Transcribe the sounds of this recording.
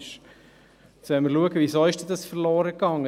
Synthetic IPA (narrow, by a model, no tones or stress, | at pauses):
ʃ | sɛməluəɡəvʋizoːɪʃd̥ɛdɑsfəɾlɔːɾəkɑŋːə